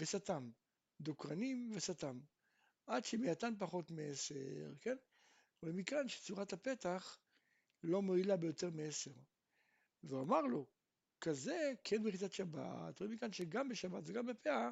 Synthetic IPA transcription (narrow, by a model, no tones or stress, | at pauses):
vesatam | d̪okʁanimvesatam | ʔadʃemejat̪anp̬aχo̞tmeesḛʁke̞n | ʁoimikanʃet͡suʁathape̞taχ | lo̞moilabejo̞te̞ʁmeeseʁ | veamaʁlo | kaze̞kʰenbeχitatʃaba̰t̪ʁoimikanʃeɡambeʃabatveɡambepea